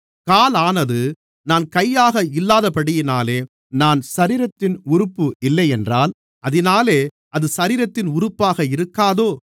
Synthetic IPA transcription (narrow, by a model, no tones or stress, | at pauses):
kaːlaːnɐðɯ | naːnkɐjːaːɣɐɪlːaːðɐpɐɽɪjɪnaːleː | naːnsɐɾiːɾɐt̪ːɪnʊɾʊpːɯɪlːɐjɛndraːl | ʔɐðɪnaːleː | ʔɐðɯsɐɾiːɾɐt̪ːɪnʊɾɯpːaːɣɐɪɾɯkːaːðoː